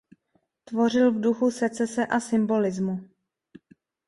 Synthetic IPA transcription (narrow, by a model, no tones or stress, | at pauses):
t̪vo̞r̝ɪlvduxusɛt͡sɛsɛʔasɪmbo̞lɪzmu